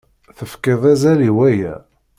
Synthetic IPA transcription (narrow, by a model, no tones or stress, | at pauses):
θəfkɪðˤæzæliwæjæ̰